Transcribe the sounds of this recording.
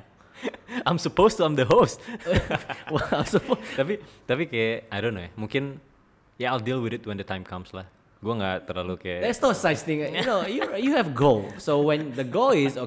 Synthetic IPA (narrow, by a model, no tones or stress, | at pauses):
ãjmsəpost̪uãjmdəɦost̪ | wɛlãjmsəpot̪apit̪apikajaajdonːoɛhmuŋkɪn | jaajldilwɪdɪt̪̚wɛ̃ndət̪ãɪjmkʰamslah | ɡuaŋɡat̪ərlalukajadɛtsnoəsat͡ʃt̪ɪ̃ŋjunojujuhɛvɡolsowɛ̃ndəɡolɪso